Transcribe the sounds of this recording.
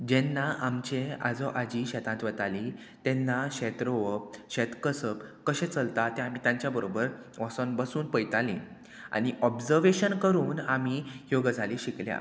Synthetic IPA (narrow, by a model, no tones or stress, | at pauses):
d͡ʑɛnːaʔamt͡ɕea̰d͡zɔʔad͡ʑiɕɛt̪ʰãt̪ʋət̪ali | t̪ɛnːaɕɛt̪ɾoʋəɕɛt̪kəsəpkəɕẽt͡səlt̪at̪eamit̪jãɲt͡ɕjabəɾobəɾ | ʋɔsɔnbəsuːnpəjt̪alĩ | a̰ñiʔɔbd͡zəɾʋeɕənkəɾuːnamijoɡəd͡zʱaliɕiklja̰